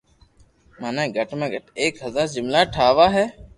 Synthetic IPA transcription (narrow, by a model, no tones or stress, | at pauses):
maːnãːɡəʈmẽːɡəʈeːkɦəzaːɾzɪmlaːʈʰaːʋaːɦɛː